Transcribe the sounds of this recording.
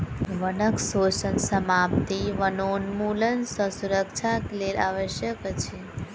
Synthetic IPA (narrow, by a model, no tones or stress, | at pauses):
ʋənəksot͡ʃənsəmap̚t̪iʋənonmulənsə̃suɾəkt͡ʃʰaklela̰ʋəʃjəkt͡ʃʰe